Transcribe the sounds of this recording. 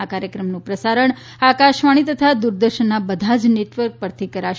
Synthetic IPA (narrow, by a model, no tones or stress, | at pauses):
akaɾjəkɾəmnũpɾəsaɾəɳ | akaʃʋaɽ̃it̪ət̪ʰad̪uɾd̪əɾʃənːabəd̪ʱad͡ʒneʈʋəɾk̚pəɾt̪ʰikəɾaʃ